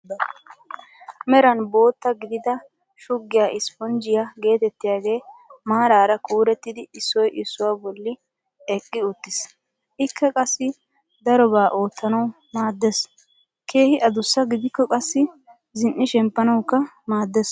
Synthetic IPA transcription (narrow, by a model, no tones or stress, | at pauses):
mɛɾɐnbo̞ːt̪ːɐɡɪd̪ɪd̪ɐ | ʃʊɡːɪjaʔɪspɔnd͡ʒɪjaɡe̞ːt̪ɛt̪ːɪjaːɡe̞ːmaːɾaːɾɐkuːɾɛt̪ːɪd̪ɪɪsːɔjʔɪsːʊwaːbɔlːɪ | ɛkʼːɪʊt̪ːɪs | ʔɪkːɐkʼɐsːɪ | d̪ɐɾɔbaːʔo̞ːt̪ːɐnɐw | maːd̪ːes | kʰeːhɪʔɐd̪ʊsːɐɡɪd̪ɪkːɔkʼɐsːɪ | zɪnʔɪʃɛmpːɐnɐwkːɐmaːd̪ːɛs